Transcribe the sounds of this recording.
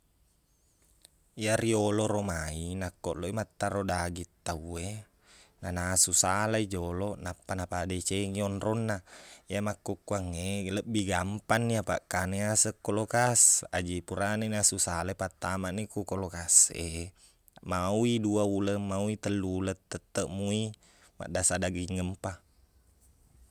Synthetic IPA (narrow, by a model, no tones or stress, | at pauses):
iaɾioloɾomainakːɔʔloimat̪ːaɾodaɡit̪ːaue | nanasusalaid͡ʒolɔnapːanapadat͡ʃeŋiɔnrɔnːaiamakːukːuaŋːeləbiɡampanːiapa̰ʔkaneasəkːolokasa̰d͡ʒipuɾaninasusalaipat̪ːamaʔnikukolokasʔe | mawiduauləmawit̪əlːulət̪ːət̪ːəʔmui | ma̰ʔdasadaɡiŋːəmpa